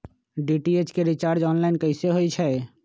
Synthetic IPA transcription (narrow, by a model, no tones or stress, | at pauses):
ɖiʈiet͡ʃkeɾit͡ʃaːɾd͡ʒɔːnlaɪnkəɪseɦoit͡ʃʰɛ